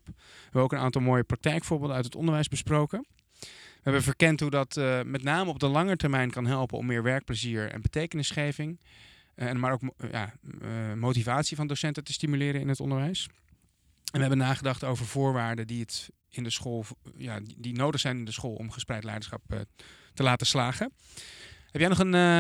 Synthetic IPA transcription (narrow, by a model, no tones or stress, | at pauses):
ɛbəoʊwkəna̰ːntɑlˠmoːjəprɑk̚tɛjkfʊːɹbɪːlˠdəœɥtətɔ̰ndəɹʋɛjzbəsprowkə | ʋəɦɛbəvəɹkɛntɦudɑtmɛtnaːməɔb̚dəlɑŋəɹtɛɹmɛjnkɑnɦɛlˠpənɔ̰mːɪːɹʋɛɹk̚pləziːɹɛ̰nbətejkənɪsχejvɪŋ | ɛmaːɹowkja̰ː | mowtivaːtsivɑndosɛntətəstimylɪːɾəɪ̰nɦətɔ̰ndəɹʋɛjs | ɛnʋəɦɛbənaːχədɑχtowvəɹvʊːɹʋaːɹdədiət | ɪndəsχoːlˠjaːdinowdəχsɛjnɪndəsχoːlˠɔ̰mχəsprɛjtlɛjdəɹsχɑ̰p̚ | təlaːtəslaːχə | ɦɛpjɛjnɔχən